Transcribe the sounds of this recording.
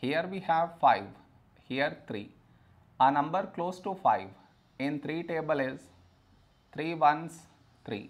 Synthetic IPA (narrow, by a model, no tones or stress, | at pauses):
hiəɾʋiːhæʋfaɪʋ | hiəɾt̪ʰɾḭː | ənɐ̃mbəɾkloːsʈufaɪʋ | ɪ̃nt̪ʰɾiːʈeːbəlɪz | t̪ʰɾiːʋʌ̃ns | t̪ʰɾḭː